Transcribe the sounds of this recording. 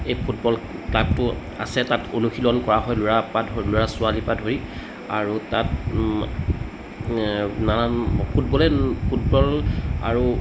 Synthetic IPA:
ejpʰutbɔlplaktʊ | a̰sɛtatʰonuxilɔnkɔɹaɦɔjlʊɹapadɦoloɹasʊalipadɦoɹi | a̰ɹutat | nanapʰut̚bɔlɛpʰutbɔla̰ɹu

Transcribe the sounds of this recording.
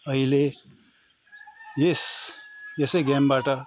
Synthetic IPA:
ʌɦile | jes | jʌseɡɛmbaʈʌ

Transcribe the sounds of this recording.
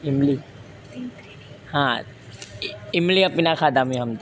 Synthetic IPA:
ɪmli | hã | ɪmliɐpinakʰaːd̪amĩɦɐmt̪

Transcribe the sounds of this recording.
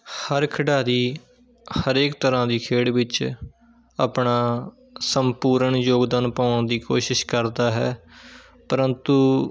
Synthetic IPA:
həɾkʰəɖaːd̪iː | həɾeːkt̪əɾãːd̪iːkʰeːɽʋɪt͡ʃ | aːpɳaː | səmpuːɾəɳjoːɡd̪ənpaːnd̪iːkoːʃɪʃkəɾd̪aːɦɛ̰ː | pəɾənt̪uː

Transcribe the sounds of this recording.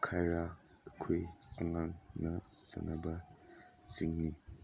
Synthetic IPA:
kʰajɾa | ɐkʰojɐŋaŋnɐsɐ̰nɐbɐ | t͡ʃiŋni

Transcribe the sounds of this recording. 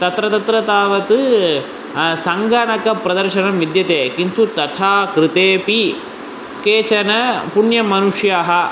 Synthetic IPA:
t̪ɐt̪ɾɐt̪ɐt̪ɾɐt̪aːʋɐt̪ɨ | sɐŋɡaːɳɐkɐpɾɐd̪ɐɾʃɐnɐmʋid̪jɐt̪eːkint̪ut̪ɐt̪ʰaːkɾit̪eːpi | keːt͡ʃɐnɐpuɳjɐmɐnuʂjaːɦɐ

